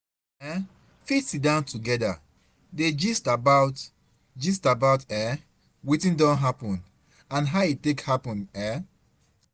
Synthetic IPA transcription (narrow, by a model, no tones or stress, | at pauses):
ɛ | fitsit̚dãntuɡɛda̰ | ded͡ʒistabaʊt | d͡ʒistabaʊtɛ | witĩndɔ̃nɦapɔ̃n | ãnɦaʊitːekhapɔ̃nɛ